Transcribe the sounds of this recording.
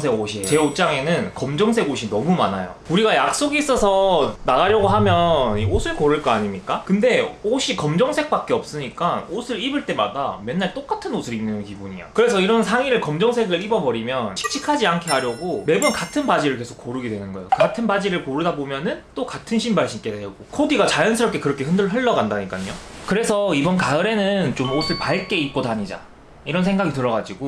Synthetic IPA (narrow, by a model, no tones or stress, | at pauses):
sʰeɡoɕʰiet͡ɕe̞ot͡ɕ͈aŋe̞nɯnkʌmd͡ʑʌŋsʰe̞ɡoɕʰinʌmuma̰na̰jo̰uɾiɡajak̚s͈oɡiːs͈ʌsʰʌnaɣaɾjʌɡoɦamjʌniosʰɯɭkoɾɯɭk͈ʌaɲimɲik͈akɯnde̞oɕʰikʌmd͡ʑʌŋsʰe̞k̚p͈ak̚k͈e̞ʌp̚s͈ɯɲik͈aosʰɯɾibɯɭt͈e̞ma̰da̰me̞nːaɭt͈ok͈atʰɯnosʰɯɾinːɯnkibuɲḭjo̰kɯɾe̞s̬ʰʌiɾʌnsʰaŋiɾɯɭkʌmd͡ʑʌŋsʰe̞ɡɯɭibʌbʌɾimjʌnt͡ɕʰi̥k̚t͡ɕʰikʰad͡ʑiankʰe̞ɦaɾjʌɡome̞bunkatʰɯnbad͡ʑiɾɯɭke̞sʰo̥k̚ːoɾɯɡidwe̞nɯnɡʌejo̰katʰɯnbad͡ʑiɾɯɭpoɾɯdabomjʌnɯnt͈okatʰɯnɕʰimbaɭɕʰik͈edeɡokʰodiɡat͡ɕajʌnsʰɯɾʌpkekɯɾʌkʰe̞ɦɯndɯɭɦɯɭːʌɡandaɲik͈aɲokɯɾe̞sʰʌibʌnkaɯɾe̞nɯnt͡ɕomosʰɯɭpaɭk͈e̞ik͈odaɲid͡ʑa̰ | iɾʌns̬ʰe̞ŋɡaɡitɯɾʌɡad͡ʑiɡo